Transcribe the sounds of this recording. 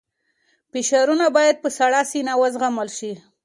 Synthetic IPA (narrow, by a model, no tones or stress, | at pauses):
fɪʃaɾunabɑjad̪̚pəsaɽɑsinawəzɣaməlʃi